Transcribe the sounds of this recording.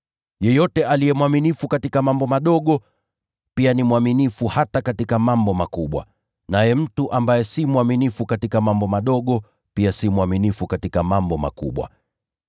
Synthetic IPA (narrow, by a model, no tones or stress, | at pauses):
jɛjɔtɛʔalijɛmwaminifukatikamambɔmaɗɔɠɔ | pianimwaminifuhatakatikamambɔmakuɓwa̰ | najɛm̩tuʔambajɛsimwaminifukatikamambɔmaɗɔɠɔ | piasimwaminifukatikamambɔma̰kṵɓwa̰